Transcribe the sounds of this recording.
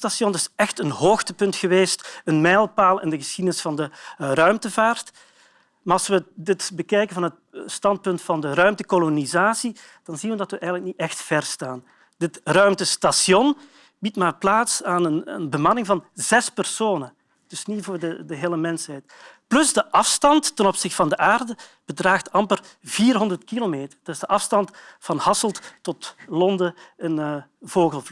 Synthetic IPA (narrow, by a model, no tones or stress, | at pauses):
tasjɔndɪsɛxtənɦoːxtəpɵntxəʋeːstənmɛːlˠpaːlˠɛ̰ndəɣəsxidənɪsfɑndərœɥmtəvaːrt | maːɑlˠsʋədɪtbəkɛjkənvɑnɦət̚ | stɑnt̚pɵntfɑndərœɥmtəkolonizaːsid̥ɑnzinʋədɑtʋəʔɛjɣənləknitɛxtfɛrstaːn | dɪtrœɥmtəstasjɔn | b̥itmaːrplaːtsaːnənə̰nbəmɑnɪŋvɑnzɛspərsoːnən | d̥ɵsnivʊːrdədəɦeːləmɛnshɛjt | plɵzdəʔɑfstɑntːənɔpsɪxtə̥vɑndəʔaːrdəb̥ədraːxtɑmpər | viːrɦɔndərtkilomeːtərd̥ɵzdəʔɑfstɑntfɑnhɑsəlˠttɔtlɔndəənəvoːɣəlˠv